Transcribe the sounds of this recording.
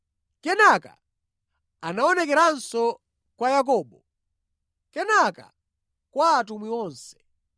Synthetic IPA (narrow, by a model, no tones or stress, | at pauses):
kɛnaka̰ | anaɔnɛkɛɾansɔ | kwajak̬ɔːɓɔ | kɛnaka̰ | kwaːtumwiɔːnsɛ̥